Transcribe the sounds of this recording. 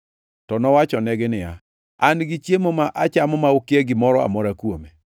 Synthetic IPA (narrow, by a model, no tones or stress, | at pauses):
tɔnɔwat͡ʃɔnɛɡɪnɪja̰ | anɡɪt͡ʃjemomaʔat͡ʃamɔmaukɪeɡɪmɔɾɔa̰mɔɾakwome